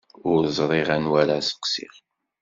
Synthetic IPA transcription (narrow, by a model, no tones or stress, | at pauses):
ʊɾzˤɾˤiʁænwæɾæsə̥qsḭʁ